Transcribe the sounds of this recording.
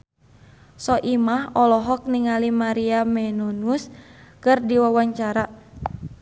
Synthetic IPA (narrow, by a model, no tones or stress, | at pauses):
sɔʔimahɔlɔɦɔk̚niŋalimaɾiamɛnɔnuskɨrdiwawaɲt͡ʃaɾa